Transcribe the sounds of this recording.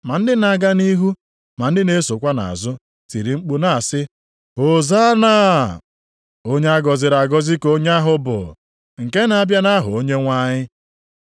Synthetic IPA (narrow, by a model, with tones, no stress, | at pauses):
ma˨n̩˦dɪ˦na˨ɡa˦ni˦ɦu˦ | ma˨n̩˦dɪ˦ne˦so˨kʷa˦na̰˨a̰˨zʊ˦ | ti˨ɾi˨ŋ͡m̩˦k͡pu˦na˨a˨sɪ˦ | ɦo˨za˦naː˦˨ | o˦ɲe˦a˦ɡɔ˨zɪ˨ɾa˨ɡɔ˦zɪ˦ko˦ɲ˦a˦ɦʊ˦bʊ̰˨ | ŋ̩˨ke˦na˨a˦˨bja˦na˦ɦʊ˨o˦ɲe˦ŋʷa˦ɲɪ˦